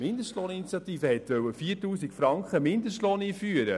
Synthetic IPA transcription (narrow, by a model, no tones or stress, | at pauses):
mɪnd̪əʃtlɔːninit͡sjɑt̪iːfəhɛt̪ʋœwːəfiːrtuːsikfɾɑŋkχəmɪnd̪əsʃtloːniːfyəɾə